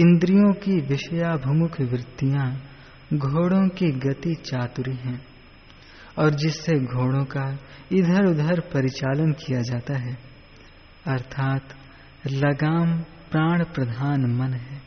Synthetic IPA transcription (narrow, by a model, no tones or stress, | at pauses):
ɪ̃nd̪ɾijõkiʋɪʃəjabʱʊmʊkʰʋɾɪt̪ːijã | ɡʱoːɽõkiɡɐt̪it͡ʃaːt̪ʊɾiɦɛ̃ː | ɔːɾd͡ʒɪsːeɡʱoːɽõka | ɪd̪ʱəɾʊd̪əɾpɐɾɪt͡ʃaːlənkijad͡ʒaːt̪aɦɛː | ɐɾt̪ʰaːt̪ | lɐɡaːm | pɾaːɽ̃pɾɐd̪ʱaːnmɐnɦɛː